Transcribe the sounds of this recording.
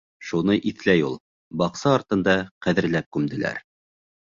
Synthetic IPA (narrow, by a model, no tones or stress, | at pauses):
ʃunɤʔiθlæjulˠ | bɑqsɑːɾt̪ɤ̆nd̪ɑqæðɘ̆ɾlæp̚kʉmd̪ɘ̆læ̰ɾ